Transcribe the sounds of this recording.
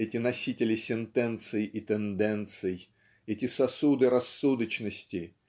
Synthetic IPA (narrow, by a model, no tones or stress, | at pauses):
ɛtʲɪnɐsʲitʲɪlʲɪsʲɪnt̪ɛnt̪sɨjɪʔit̪ɛnd̪ɛnt̪sɨj | ɛtʲɪsɐsud̪ɨɾɐsːud̪ət͡ɕnəsʲtʲɪ